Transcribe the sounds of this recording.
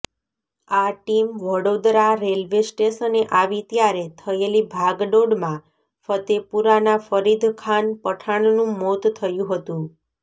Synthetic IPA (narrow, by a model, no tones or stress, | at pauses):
aʈimʋəɽod̪ɾaɾelʋesʈesəneʔaʋit̪jaɾet̪ʰəelibʱaɡɖoɖmã | fət̪epuɾanafəɾid̪ʱkʰanpəʈʰaɳnũmot̪t̪ʰəjũɦət̪ũ